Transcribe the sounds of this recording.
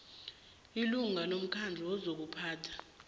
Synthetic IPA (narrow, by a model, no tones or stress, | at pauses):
iluŋʱalom̩kʰand͡ɮʱɛwɔzok̬upʰaːtʰḁ